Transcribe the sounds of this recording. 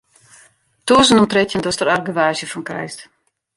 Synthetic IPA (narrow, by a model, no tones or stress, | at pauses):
tuːzənɔmtretjəndɔstəɾarɡəʋaːʒjəfɔnkrɛ̰jst